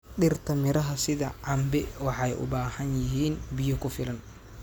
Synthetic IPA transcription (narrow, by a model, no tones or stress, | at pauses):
ɗɪrt̪ʰɐmɪɾɐɦɐsɪðɐʕɑmbɛwɑħɑjʔʊ̰baːhɐnjɪɦiːnbɪjɔkʰʊfɪlɐn